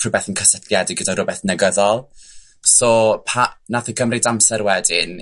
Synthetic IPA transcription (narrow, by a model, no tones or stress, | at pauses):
rʊbɛθənkʰəsətʰljadɪɡədarʊbɛθnɛɡəðɔlˠ | sɔpʰanaθəkʰəmrɪdamsɛɾwɛdɪn